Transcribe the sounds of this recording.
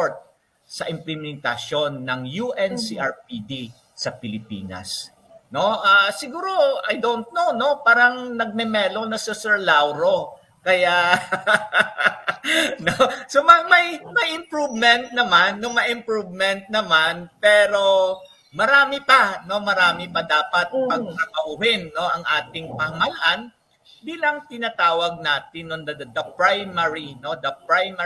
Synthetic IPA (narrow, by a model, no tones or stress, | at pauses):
oɹt̪̚ | sɐʔɪmplɪmɛnt̪ɐso̞nːɐŋjuʔɛnsiʔɐɹpid̪i | sɐpɪlɪpḭːnɐ̰s | no̞ʔasɪɡuːɾo̞ɐjd̪oʔnt̪̚nowno̞paːɾɐŋnɐɡ̚mɛmɛlonɐsɛsɛɹlawɾo | kɐja | nosomɐmɐjmɐjʔɪmpɹuvmɛnt̪̚nɐmanːʊŋmɐʔɪmpɹuvmɛnt̪̚nɐmanpɛːɾo̞ | mɐɾaːmɪpɐno̞mɐɾaːmɪpɐd̪aːpɐt̪̚pɐɡ̚kɐkɐʔuhɪnːo̞ʔɐŋʔaːt̪ɪŋpɐhɐmɐlaʔan | b̪iːlɐŋt̪ɪnat̪aːwɐɡ̚naːt̪ɪnːond̪ɐd̪ɐpɹajmɐɹino̞d̪ɐpɹajm